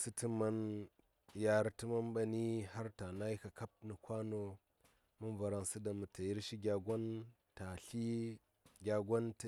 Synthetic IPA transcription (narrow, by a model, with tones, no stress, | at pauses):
sɨ˦ti˦ma˦n | ja˨ɾtɨ˦ma˦nba˨ni˦ha˦ɾta˨na˦i˦ka˨ka˦p̚nɨ˨kʷa˦no˦ | mu˦nva˨ɾa˨ŋsɨ˦da˨mu˨ta˨ji˦ɾʃi˦ɡʲa˨ɡʷa˦n | ta˨ɬi˦ | ɡʲa˨ɡʷa˦nt